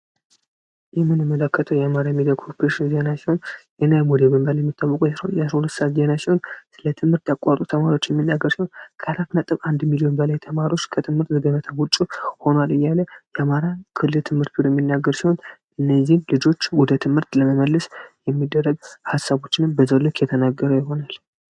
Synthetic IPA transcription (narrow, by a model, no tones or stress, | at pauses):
jɛmːɨnɨmːələkːət̪ʰəwjɛamaɾajɛmid̪akʰopɾeʃinzenasiho̞njɛnajmud̪ebɨmbaljɛmːit̪ʰːawːəkʼujɛsɾəhojasɾəhulət̪ːsaat̪zienasiho̞nsɨlət̪ʰɨmhɨɾt̪jakʼːat̪ʼut̪ʰəmaɾo̞t͡ʃːjɛmːinːaɡːəɾsiho̞nkʰəalat̪nət̪ʼɨβand̪milio̞nbəlajt̪ʰəmaɾio̞t͡ʃːkʰət̪ʰɨmhɨɾt̪zəɡ̪əβət̪ʰawut͡ʃʼːuho̞nalɨjːaləjɛamaɾakʰɨlːɨlt̪ʰɨmhɨɾt̪̚biɾojɛmːinːaɡːəɾsiho̞nʔɨnːəzːihnlɨd͡ʒo̞t͡ʃːwɔd̪ət̪ʰɨmhɨɾt̪ləməməlːəsjɛmːid̪ːərːəɡhasːaβo̞t͡ʃːɪnɨmbəzəwlːɨkʰjɛt̪ʰənaɡːəɾəjɪɦo̞nal